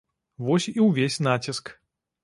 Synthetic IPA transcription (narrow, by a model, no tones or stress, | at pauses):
vɔsʲiwvʲesʲnat͡sʲisk